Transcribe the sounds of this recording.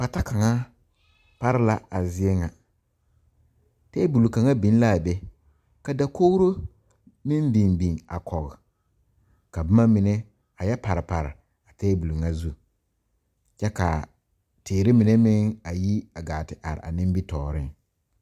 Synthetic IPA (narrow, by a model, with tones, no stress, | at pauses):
pa˨ta˦ka˨ŋa˦ | pa˦ɾɪ˦la˦a˨zɪ˦ɛ˦ŋa˨ | tɛ˦bu˨lu˨ka˨ŋa˦bi˨˦n˦la˦˨bɛ˦ | ka˨da˦ko˦ɾo˦ | mɪ˦mbi˨nbi˨ŋa̰˨kʰɔ˨ɣɪ˨ | ka˨bʊ˦ma˦mɪ˨nɛ˦ | a˨jɛ˦pa˨ɾɪ˨pa˨ɾɪ̰˨ | a˨tɛː˦bu˨lu˨ŋa˦zu˦ | t͡ʃɛ˦ka̰˨ | tɪː˨ɾɪ˦mɪ˨nɛ˦mɪ˦ŋa˨ji˦a˨ɡaː˨tɪ˨ʔa̰˨ɾɪ˨a̰˨nɪ̃˦m˦bi˦tɔː˨ɾɪ˦ŋ